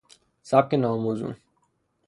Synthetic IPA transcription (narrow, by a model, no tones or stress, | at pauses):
saːb̚kenãːmoːzṵːn